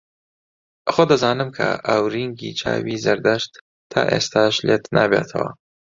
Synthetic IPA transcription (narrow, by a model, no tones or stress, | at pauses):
ʔxod̪ɐzaːnɨmkʰɐʔɐwɾiŋɡit͡ʃʰaːwizɐɾd̪ɐʃt̪ʰː | a̰ːʔest̪aːʃlet̪naːbet̪ʰɐ̰wɐ̰